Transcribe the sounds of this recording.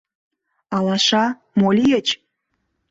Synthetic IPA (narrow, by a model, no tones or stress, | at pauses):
ɑlɑʃɑ | molʲijet͡ɕ